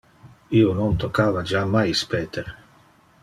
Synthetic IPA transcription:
iːonont̪okːaːvad͡ʒamajspɛːt̪eɾ

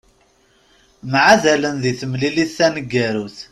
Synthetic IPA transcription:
mʕaðælənðiθəmliliθːænəɡːæɾuθ

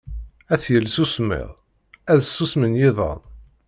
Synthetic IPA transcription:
æθjəlːsusmɪ̰ʁ | æzsusmənjɪðˤɑ̰n

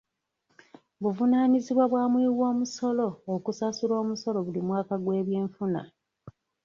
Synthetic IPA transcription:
βuvunaːniziβwaβwaːmwiːwo̞ːmuso̞lo̞ːkusasulo̞ːmuso̞lo̞βulimwaːkaɡwe̞ːβje̞ːɱfuna̰

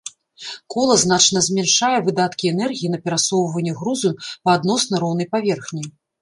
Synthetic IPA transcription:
kɔlˠɐznat͡ʂnɐzʲmʲɛnʂajɛvɨd̪at̪kʲiɛnɛrɣʲijinɐpʲɛɾasɔwvɐnʲːɛɣɾuzɨpɐːd̪nɔsnɐɾɔwnɐjpavʲɛrxnʲij

